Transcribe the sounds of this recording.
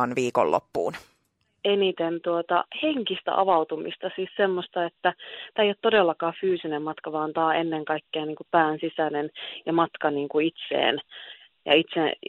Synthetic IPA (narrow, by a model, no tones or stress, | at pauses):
ɑnʋiːko̰lːo̰pːṵːn | enit̪ent̪uot̪ɑ̰heŋkist̪æ̰ʔɑ̰ʋɑut̪umḭst̪ɑsiːssemːost̪ɑet̪ːæt̪æːejot̪todelːɑkɑːfyːsinemmɑt̪kɑʋɑːnt̪ɑːenːeŋkɑikːeɑnniːŋkupæːnsisænenjɑmɑt̪kɑniːŋkuit̪sḛːn | jɑ̰it̪se